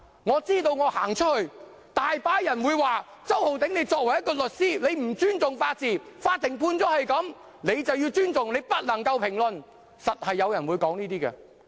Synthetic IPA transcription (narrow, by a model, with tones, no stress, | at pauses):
ŋɔː˨˧t͡siː˥t̪o˧wŋɔː˨˧haː˨˩ŋt͡ʃʰɵ˥t̚hɵ˧ɥ | t̪aː˨jpaː˧jɐ˨˩nwuː˨˧jwaː˨ | t͡sɐ˥who˨wt̪ɪ˨˥ŋne˨˧jt͡sɔː˧k̚wɐ˨˩jːɐ˥t̚kɔː˧lɵ˨t̚siː˥ne˨˧jm̩˨˩t͡ʃyː˥nt͡sʊ˨ŋfaː˧t̚t͡siː˨˩faː˧t̪ʰːɪ˨˩ŋpʰuː˧nt͡sɔː˨˥hɐ˨jkɐ˨˥m | ne˨˧jt͡sɐ˨wjiː˧wt͡ʃyː˥nt͡sʊ˨ŋne˨˧jpɐ˥t̚nɐ˨˩ŋkɐ˧wpʰɪ˨˩ŋlɵ˨n | sɐ˨t̚hɐ˨jːɐ˨˧wjɐ˨˩nwuː˨˧jkɔː˨˥ŋniː˥t̪iː˥ɡɛ̰˧